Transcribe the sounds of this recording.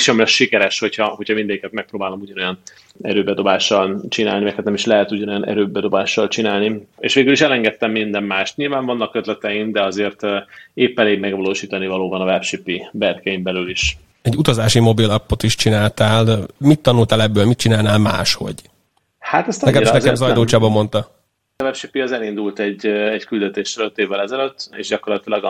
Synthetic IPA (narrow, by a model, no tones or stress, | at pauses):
ʃɛmlɛʃikɛɾɛʃho̞chɒhochɒmind̪ɛɟikɛt̪̚mɛk̚pɾoːbaːlomuɟɒno̞jɒn | ɛ̰ɾøːbɛd̪o̞baːʃːɒlt͡ʃina̰ːlnimɛkhɛt̪nɛmiʃlɛɦɛt̪uɟɒno̞jɒnʔɛ̰ɾøːbɛd̪o̞baːʃːɒlt͡ʃinaːlniḛːʃʋeːɡyliʃɛlɛŋɡɛt̪ːɛmːind̪ɛmːaːʃt̪ɲiːlvaːɱvɒnːɒkøt̪lɛt̪ɛjimd̪ɛɒzeːrt̪eːpːɛleːɡmɛɡvɒloːʃiːt̪ɒnivɒloːbɒnɒvɛpʃypibɛrkɛjimbɛlyliʃ | ɛɟːut̪ɒzaːʃimo̞bilɒpːot̪iʃt͡ʃinaːlt̪aːlmit̪ːɒnult̪aːlɛbːøːlmit̪̚t͡ʃinaːlnaːlma̰ːʃho̞̰ɟ | haːt̪ɛst̪nɛkɛmiʃnɛɛmzɒjd̪oːt͡ʃaːbɒmo̞nt̪ɒ | ɒvɛpʃipiɒzɛlind̪ult̪ɛɟɛckyld̪ɛt̪eːʃløt̪ːeːvːɛlɛzɛløt̪ːḛːʒɟɒkorlɒt̪ilɒɡ